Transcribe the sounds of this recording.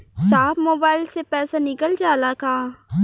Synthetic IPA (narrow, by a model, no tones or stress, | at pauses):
saːfmoːbaːɪlsepɛːsanɪkəld͡ʒaːlakaː